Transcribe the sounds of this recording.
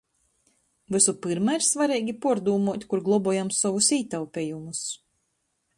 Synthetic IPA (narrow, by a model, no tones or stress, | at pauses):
vɨsupɨɾmaiɾsvaɾiːɡʲipuɔɾd̪uːmuɔt̪ʲkuɾɡlˠɔbɔɔjamsɔvusiːt̪awpʲejumus